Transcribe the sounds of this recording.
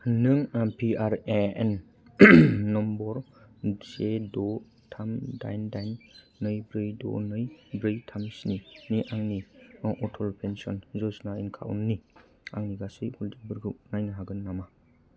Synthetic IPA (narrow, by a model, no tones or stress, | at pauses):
nɯŋapʰiaɾeḛn | ɔmbɔɾ | sedɔ | tʰamda̰jndajnː | ɯjbɾɯjdɔ̰nɯjbɾɯjtʰamsniniʔaŋniɔŋʔɔtʰɔlpʰensɔnzɔsnainkʰa̰ṵnːi | aŋniɡasɯjhuldibɯɾɡɯnajnɯɦaɡɯnːama